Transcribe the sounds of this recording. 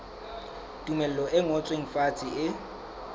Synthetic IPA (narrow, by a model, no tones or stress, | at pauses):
tʼumɛl̩lɔʔɪŋɔt͡sʼweŋ̩fat͡sʼiɪ